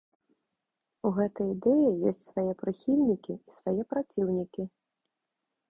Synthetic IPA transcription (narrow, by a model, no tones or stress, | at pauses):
uɣɛt̪ɐjid̪ɛjijɔsʲt͡sʲsvajɛpɾɨxʲilʲnʲikʲiːsvajɛpɾat͡sʲiwnʲikʲi